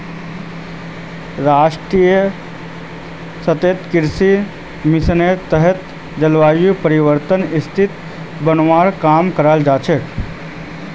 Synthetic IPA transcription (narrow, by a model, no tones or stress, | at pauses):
ɾaːʃʈɾiːjə | sət̪eːt̪kɪɾsi | mɪsənet̪ːəɦɛt̪ | d͡ʒɐlʋaːjupəɾiʋəɾt̪ənɪst̪ʰɪt̪ | bənʋaːɾkaːmkəɾald͡ʒaːt͡ʃʰek